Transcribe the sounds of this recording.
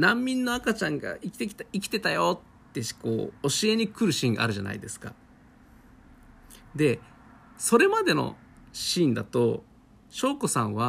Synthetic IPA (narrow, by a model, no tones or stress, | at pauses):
nãmʲːĩnːo̞akat͡ɕãŋɡa̰ikʲi̥t̪ekʲi̥t̪aikʲi̥t̪e̞t̪ajot̪ːe̞ko̞̰ːɕie̞ɲ̟ikɯ̟ɾɯ̟ɕĩːŋɡa̰a̰ɾɯ̟ʑana̰id̪e̞sɨ̥ka̰ | d̪e̞ | so̞ɾe̞mad̪e̞no̞̰ | ɕĩːnd̪a̰t̪o̞ | ɕo̞ːko̞sãɰ̃βa